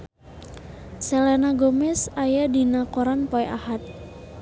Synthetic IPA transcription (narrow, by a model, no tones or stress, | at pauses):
sɛlɛnaɡomɛsajadinakɔɾanpɔɛʔa̰hat̪̚